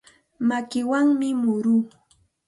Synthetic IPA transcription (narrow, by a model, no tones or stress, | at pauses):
makɪwaŋmɪmʊɾuː